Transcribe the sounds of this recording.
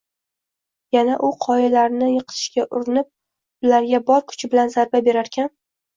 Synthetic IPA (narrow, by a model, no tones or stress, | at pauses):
janaʔʊqʰɒjalaɾnɪjɨqʰɨ̥t̪ʰɪ̥ʃɡʲaʔʊɾɪnɪp̚ | ʊlaɾɡʲabɒɾkʰʊ̥t͡ʃʰɪbɪlanzaɾbabe̞ɾaɾkʲʰan